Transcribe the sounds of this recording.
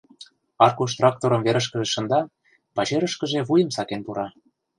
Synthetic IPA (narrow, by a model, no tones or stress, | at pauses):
ɑrkuʃ̬t̪rɑk̚t̪oɾɤ̆mveɾə̆ʃkə̆ʒĕʃɤ̆nd̪ɑ | pɑt͡ɕeɾə̆ʃkə̆ʒeβujə̆msɑkenpuɾɑ